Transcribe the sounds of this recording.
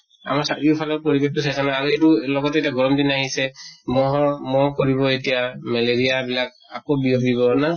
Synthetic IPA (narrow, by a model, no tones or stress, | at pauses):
a̰maɹsaʔiupʰalɔɹpɔɹibek̚tusʰajzanaaɹuetulɔɡɔtɛetiaɡɔɹɔmdinaɦisɛmɔɦɔmɔkoɹibɔetijamɛleɹijabilak̚a̰kobiobibɔna